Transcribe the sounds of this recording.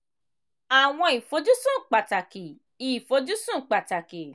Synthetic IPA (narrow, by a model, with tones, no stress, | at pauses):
a˨w̃ɔ̃˧i˨fo˨˧d͡ʒu˦sũ˦˨k͡pa˨ta˨ki˨ | i˨fo˨˧d͡ʒu˦sũ˦˨k͡pa˨ta˨ki˨